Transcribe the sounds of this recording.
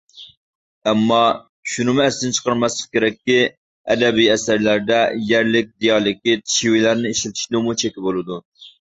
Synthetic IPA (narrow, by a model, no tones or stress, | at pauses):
ɛmːɑ | ʃunɨmuɛsɪnt͡ʃʰə̥qɑɾmɛslˠə̥χkʲeɾɛkʲːi | ɛ̰d̪ɛbijɛsæɾlæɾd̪ɛjæɾlɪk̚ʲd̪ijɑːlˠɪkʲit̪ʰi̥ʃiwilæɾnɪiʃlɪt̪ʰɪ̥ʃlˠumut͡ʃʰekʲɪbolˠɨd̪u